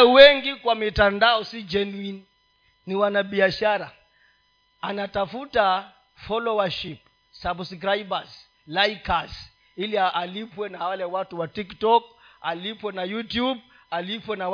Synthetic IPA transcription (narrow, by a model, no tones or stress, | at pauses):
wɛŋɡikwamitandaɔsid͡ʒɛnuini | niwanaɓiaʃaɾa | anatafuta | fɔlɔwaʃip | sabskɾaibaz | lajkaz | ilialipwɛnawalɛwatuwatiktɔkalipwɛnajutjub̚ | alipwɛnaw